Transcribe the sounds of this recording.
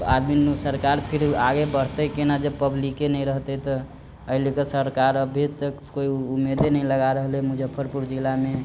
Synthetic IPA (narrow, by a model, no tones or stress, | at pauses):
a̰d̪misəɾkaɾpʰiɾaɡebəɽ̤t̪əkenad͡ʒəbpəblikenəĩɾəɦt̪ɛt̪ɔ | əɦilekesəɾkaɾəbʱid͡ʒt̪əkkoiumed̪enəiləɡaɾəɦlmud͡ʒəpʰːəɾpuɾd͡ʒilame